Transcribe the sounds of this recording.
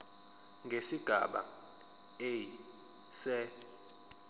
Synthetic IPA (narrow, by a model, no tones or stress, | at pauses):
ŋɡʱesiɡ̥ʱa̰ɓa̰ | ej | sɛ